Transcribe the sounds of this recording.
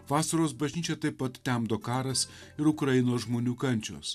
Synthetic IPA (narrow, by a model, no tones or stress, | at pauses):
ʋɑːsɐɾoːsbɐʒʲnʲiːt͡ʃʲɛt̪ɐɪpːɐt̪t̪ʲɛmd̪oːkɑːɾɐs | ɪɾʊkɾɐjɪnoːsʒmoːnʲuːkɐnʲt͡ʃʲo̰ːs